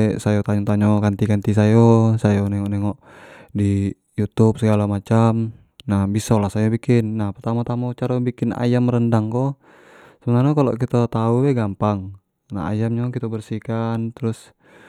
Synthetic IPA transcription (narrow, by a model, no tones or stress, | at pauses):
ɛsajɔt̪aɲɔt̪aɲɔkant̪ikant̪isajɔsajɔnɛŋɔʔnɛŋɔʔ | di | jut̪up̚səɡalamat͡ʃam | nahbisɔlahsajobikɪnːahpərt̪amat̪amat͡ʃaɾabikɪna̰jamrəndaŋkɔ | səbənarɲakalɔ̰kit̪at̪auwɛɡampaŋ | na̰a̰jamɲɔkit̪abərsikant̪ɾus